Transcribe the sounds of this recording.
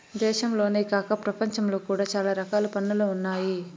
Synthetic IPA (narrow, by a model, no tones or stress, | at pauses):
d̪ɛːʃɐmlo̞ːneːkaːkɐpɾɐpɐɲt͡ʃɐmlo̞ːkuːɽaːt͡ʃaːlaːɾɐkaːlupɐnːɐluunːaːji